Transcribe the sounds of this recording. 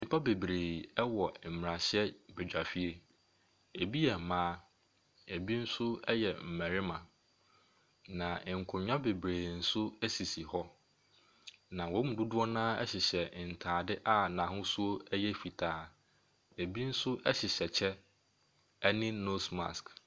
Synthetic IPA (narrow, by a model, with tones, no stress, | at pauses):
ĩ˨pʰa˦be˨bɾeː˨ɛ˦wɔ˨m̩˨m˨ɾa˨ɕɪ˦ɛ˦be˨d͡ʑᶣa˨fi˦e˨ | e˨bi˦jɛ˨mãː˦ | e˨bi˦n̩˦sʊ˦ɛ˦jɛ˨m̩˨mæ̃˨ɾɪ˦mã˨ | nã˨ŋ̩˨kʰʊ̃˨ɲᶣã˦be˨bɾeː˨n̩˦sʊ˦æ˦si˨si˨hɔ˦ | nã˨wɔ̃˨˦mũ˨du˦dʊ˦ɔ˦nãː˦ɛ̰˦ɕɪ˨ɕɛ˨n̩˨tʰaː˨dɪ˦ʔa˦nã˨ɦʊ̃˦su˦o˦ɛ˦jɛ˦fi˨tʰaː˨˦ | e˨bi˦n̩˦sʊ˦ʔɛ˦ɕɪ˨ɕɛ˨t͡ɕʰɛ˦ | ɛ˦nɪ̃˦no˦sma̰˨sk